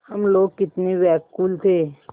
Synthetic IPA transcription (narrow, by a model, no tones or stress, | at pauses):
hɐmloːɡ̚kɪt̪neʋɛːkkuːlt̪ʰeː